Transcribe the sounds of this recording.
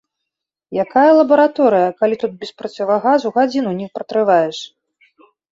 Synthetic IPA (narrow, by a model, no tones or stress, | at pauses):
jakajɛlˠɐbɐɾat̪ɔɾɨjɐkalʲit̪ut̪̚bʲɛspɾɐt͡sʲavɐɣazuɣad͡zʲinunʲixpɾɐt̪ɾɨvajɛʂ